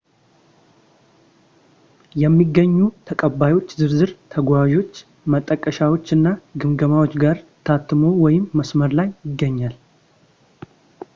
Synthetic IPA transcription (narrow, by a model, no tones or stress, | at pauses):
jɛmːiɡːəɲːut̪ʰəkʼəbːajwo̞t͡ʃːzɨɾzɨɾt̪ʰəɡʷaʒo̞t͡ʃː | mət̪ʼːəkʼːəʃawo̞t͡ʃːɨnːaɡɨmɡəmawo̞t͡ʃːɡaɾt̪ʰat̪ːɨmo̞wɔjɪmːəsməɾlajɪɡːəɲːal